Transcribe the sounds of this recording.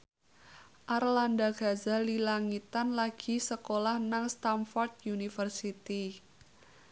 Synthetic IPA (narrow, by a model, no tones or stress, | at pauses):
ʔarlandaɡ̥a̤zalilaŋit̪anlaɡ̥i̤səkolahnaŋst̪anfɔrt̪̚junifərsit̪i